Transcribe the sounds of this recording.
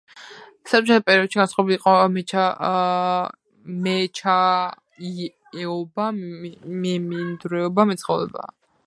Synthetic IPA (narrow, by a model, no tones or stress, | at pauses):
sat͡ʃʼat̪ʰapʼɛɾiɔd̪̥ʃiɡansχʼɔbiliqʼɔmɛt͡ʃʰa | mɛt͡ʃʰa | ɛɔbamɛmind̪ɾɛɔbamɛt̪sʰχɔvɾɛ̰ba̰